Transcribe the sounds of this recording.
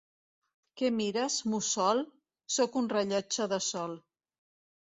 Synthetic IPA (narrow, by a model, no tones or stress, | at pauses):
kemiɾəsmusɔlˠ | sokunrəʎɔt͡ʃəðəsɔl